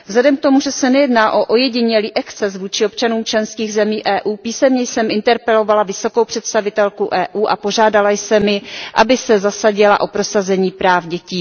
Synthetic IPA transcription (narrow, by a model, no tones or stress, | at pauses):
vzlɛdɛmk̚t̪o̞muʒɛsɛnɛjɛdnaːʔo̞ʔojɛɟɪɲɛliːʔɛkt̪t͡sɛs̬vuːt͡ʃɪo̞p̚t͡ʃanuːmt͡ʃlɛnskiːɣzɛmiːʔɛːʔuːpiːsɛmɲɛjsɛmɪnt̪ɛɾpɛlo̞valavɪso̞ko̞wpr̥ɛt̪st̪avɪt̪ɛlkuʔɛːʔuːʔapo̞ʒaːdalajsɛmɪʔa̰bɪsɛzasaɟɪla̰ʔo̞pɾo̞sazɛɲiːpɾaːfɟɛciː